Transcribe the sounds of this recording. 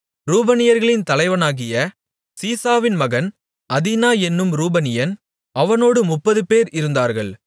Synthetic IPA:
ɾuːbɐnɪjɐɾɣɐɭɪnt̪ɐlɐɪʋɐnaːɣɪjɐ | siːsaːʋɪnmɐɣɐn | ɐðinaːjɛnːɯmɾuːbɐnɪjɐn | ʔɐʋɐnoːɽɯmʊpːɐðɯpeːɾɪɾɯnd̪aːɾɣɐɭ

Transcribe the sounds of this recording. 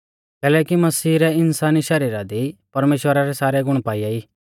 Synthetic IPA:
kɛːlɛːkimɐsiːɾɛɪnsaːniʃɐɾiːɾad̪ipɐɾmeːʃwəɾaɾɛsaːɾɛɡʊɽ̃paːijaiː

